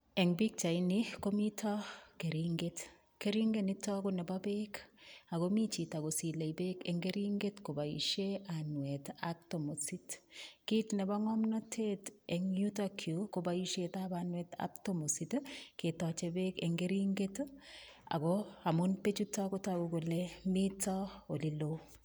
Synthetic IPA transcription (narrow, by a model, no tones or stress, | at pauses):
ɛŋbik̚t͡ʃainikomitʰɔkeɾiŋɡet | keɾiŋɡenitɔkonɛbabekakomit͡ʃitaɡosileibekɛŋɡeɾiŋɡetkobajḭʃeanwɛtak̚tomositkitnɛbaŋɔmnɔtʰetɛŋjutakʰjukobajiʃetabanwɛta̰p̚tomositketɔt͡ʃebekeŋɡeɾiŋɡet | a̰ɡɔamʊnpet͡ʃutːɔkotaɡokolemitːɔolilo